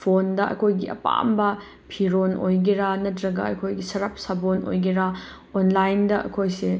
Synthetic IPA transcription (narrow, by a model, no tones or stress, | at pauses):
pʰondɐʔɐ̰kʰojɡiʔɐ̰pa̰mbɐ | pʰiɾono̰jɡiɾanɐtɾɐɡɐɐ̰kʰojɡisɐɾɐp̚sabono̰jɡiɾa | onlajndɐʔɐ̰kʰojse